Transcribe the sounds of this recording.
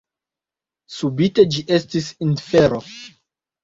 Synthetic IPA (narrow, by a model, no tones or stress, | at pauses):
subite̞d͡ʒiʔestisinfeɾo